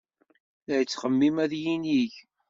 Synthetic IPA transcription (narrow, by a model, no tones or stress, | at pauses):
ðæjət͡sːχəmːimæðjiniʝ